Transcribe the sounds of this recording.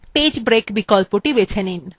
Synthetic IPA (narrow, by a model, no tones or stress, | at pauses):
ped͡ʑbɾekbikɔlpoʈibet͡ɕʰenin